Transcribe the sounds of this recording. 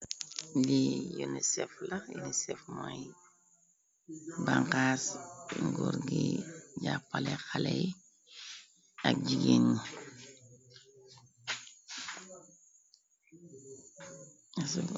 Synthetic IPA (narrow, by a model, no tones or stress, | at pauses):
lijunisɛflajunisɛfmaj | baŋkaːsŋɡuɾɡiɟapːalɛxalɛj | ak̚ɟiɡeːɲi | asu